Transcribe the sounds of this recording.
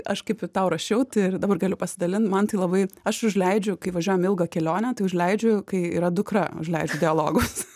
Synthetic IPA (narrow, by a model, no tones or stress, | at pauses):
ɐʃkɐɪpt̪ɐʊɾɐʃʲɛʊt̪ɪrd̪ɑːbɐrɡɑːlʲʊpɐsʲɪd̪ɐlʲɪnt̪mɐnt̪ɐɪlˠɐbɐɪɐʃʊʒʲlʲɛɪd͡ʒʲʊkɐɪʋɐʒʲuɔjɛmɪlˠɡɐkʲɛlʲoːnʲɛt̪ɐɪʊʒʲlʲɛɪd͡ʒʲʊkɐɪḭɾɐd̪ʊkɾɐʊ̰ʒʲlʲɛɪd͡ʒʲʊd̪ʲɪɐlˠoːɡʊs